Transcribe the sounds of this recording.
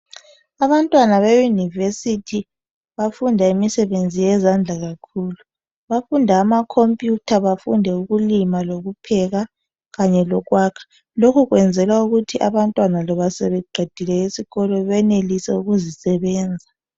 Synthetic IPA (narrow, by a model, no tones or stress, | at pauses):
aβantʼwanaβejunivesitʰi | βafundʱaimisɛβend͡zʱijɛzand͡ɮʱaɣakʰuːlu | βafundʱaːmakʰompʼjutʰaβafṵndʱɛuɣulimaloɣupʰɛɣa | ɣaɲɛlɔɣwaːkʰḁ | lokʰuɣwɛnd͡zʱɛlauɣutʰiʔaβantʼwanalɔβasɛβɛɡ͡ǃʱid̥ʱilɛisiɣɔlɔβɛnelisɛuɣuzisɛβɛːnd͡zʱa